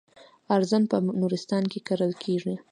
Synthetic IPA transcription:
aɾzanpənuɾɪst̪ɑnkekaɾəlkʰeʐi

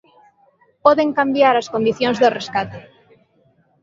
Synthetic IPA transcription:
pɔðeŋkambjaɾaskond̪iθjoŋzðoreskat̪e

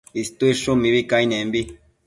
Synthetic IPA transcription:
ist̪uiʃumiβikainẽmbi

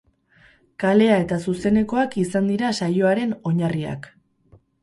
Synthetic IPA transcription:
kale̞ae̞t̪asuse̞ne̞ko̞akisand̪iɾasajo̞aɾe̞no̞ɲaria̰k

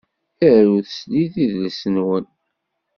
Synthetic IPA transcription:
θəɾuθsliθiðləsənwən

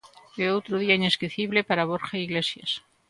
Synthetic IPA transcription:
beot̪ɾuð̞iaineskɾiθiβlepaɾaβ̞oɾxaiɣlesjas

